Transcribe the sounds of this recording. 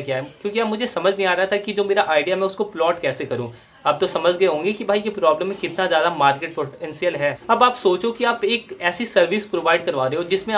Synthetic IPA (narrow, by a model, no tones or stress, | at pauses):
kjaːɦɛkjõːkiamʊd͡ʒʱesɐməd͡ʒʱnɐɦĩaːɾɐɦat̪ʰakid͡ʒoːmeːɾaʔaːɪɖijaɦɛmɛ̃ʊskoplɔːʈkɛːsekɐɾũ | ɐːb̚t̪osɐməd͡ʒʱɡɐeɦõːŋɡikibʱaːijepɾɔːbləmːẽkɪt̪nazjaːd̪amaːɾkeːʈ̚poʈɛ̃nsijəlɦɛːɐbaːpsoːt͡ʃokiaːpeːkɛːsisɐɾʋispɾoːʋaːɪɖkɐɾʋaːɾeɦod͡ʒɪsmẽ